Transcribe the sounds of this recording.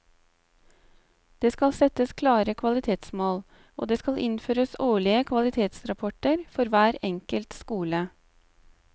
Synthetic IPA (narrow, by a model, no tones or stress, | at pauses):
d̪̥eːskɑlsɛt̪əskʰlɑːɾəkʰʋɑlɪt̪ʰeːt̪smoːl | ʔo̰ːd̪eːskɑlʔɪnføːɾəsoːɭɪəkʰʋɑlɪt̪ʰeːt̪sɾɑpʰɔʈəɾfɔɾʋæːɾɛŋkəlt̪skuːlə